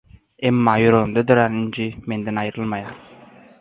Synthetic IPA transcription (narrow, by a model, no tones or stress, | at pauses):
emːɑjoɾomd̪ɑd̪ɵɾænind͡ʒimend̪enɑjɾəlˠmɑjɑɾ